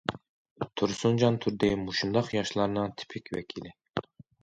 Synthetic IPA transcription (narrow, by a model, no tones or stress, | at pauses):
t̪ʰuɾsund͡ʒɑnt̪ʰuɾd̪imuʃund̪ɑχjɑʃlˠɑɾnɨŋt̪ʰi̥pʰɪkʲvɛ̰kʲʰilɪ